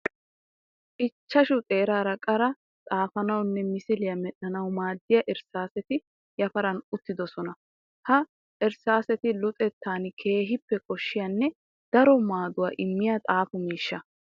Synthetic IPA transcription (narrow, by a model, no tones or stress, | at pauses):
ʔɪt͡ʃːɐʃʊt̪ʼeːɾaːɾɐkʼɐɾɐ | tʼaːfɐnɐwnːɛmɪsɪlɪjɐmɛɗːɐnɐwmaːd̪ːɪjɐʔɛɾsaːsɛt̪ɪ | jɐfɐɾɐnʊt̪ːɪd̪ɔsɔnɐ | hɐ | ʔɛɾsaːsɛt̪ɪlʊt̪ʼɛt̪ːaːnɪkʰe̞ːɦɪpːɛkʼɔʃːɪjɐnːɛ | d̪̥ɐɾɔmaːd̪ʊwaːʔɪmːɪjat̪ʼaːfʊmiːʃːɐ